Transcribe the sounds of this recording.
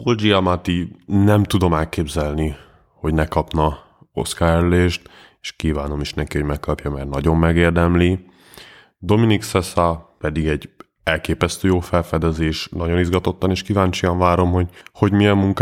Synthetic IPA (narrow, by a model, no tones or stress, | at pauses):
old͡ʒiɒmat̪inɛmt̪ud̪o̞mɛlkeːbzɛlni | ho̞ɟnɛkɒpnɒ | o̞̰skaːɛɾleːʃt̪ | e̥ʃkiːvaːno̞miʃnɛkiho̞ɟmɛkːɒpjɒmɛrnɒɟo̞mːɛɡeːrd̪ɛmli | d̪o̞miniksɛsɒpɛd̪iɡɛɟ | ɛlkeːpɛst̪øːjoːfɛlfɛd̪ɛzeːʃnɒɟo̞nizɡɒt̪o̞t̪ːɒneːʃkivaːɲt͡ʃiɒɱvaːɾo̞mho̞ɟho̞ɟmiɛmːuŋk